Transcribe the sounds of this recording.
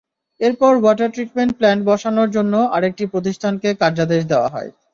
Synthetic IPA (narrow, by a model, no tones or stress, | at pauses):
eɾpɔɾwɔʈaɾʈɾiʈ̚meɳʈ̚plɛɳʈ̚bɔʃanoɾd͡ʑonːoaɾek̚ʈipɾot̪̬iʃʈʰankekaɾd͡ʑad̪eʃ̬d̪eoa̰ɦɔ̰e